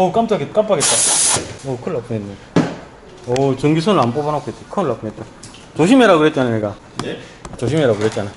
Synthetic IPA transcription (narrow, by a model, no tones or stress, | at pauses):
ʌk͈amt͡ɕ͈aɡetk͈ampʰaɡet̚t͈aʌkʰɯɭap͈ʰɯenːe | ʌt͡ɕɯŋɡis̬ʰonɯɭanp͈obanakʰet͈ːekʰɯɭːap͈ʰɯet̚t͈a | t͡ɕoɕʰimeɾaɡɯɾet̚t͡ɕ͈ananeɡa | t͡ɕoɕ̬ʰimeɾaɡɯkɯɾet̚t͡ɕ͈ana